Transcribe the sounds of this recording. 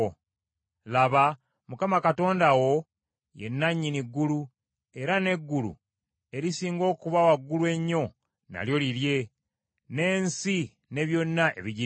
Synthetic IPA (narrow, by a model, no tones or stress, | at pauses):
laβa | mukamakato̞ːndawo̞ | je̞̰nːaɲːiniɡːulu | e̞ɾane̞ɡːulṵ | e̞ɾisiːŋɡo̞ːkuβawaɡːulwe̞ɲːo̞ | na̰ljo̞liɾje̞ | ne̞ːnsi | ne̞βjo̞nːaʔe̞̰βiɟi